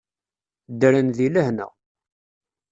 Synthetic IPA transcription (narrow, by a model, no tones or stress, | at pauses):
d̪əɾənðiləhnə̰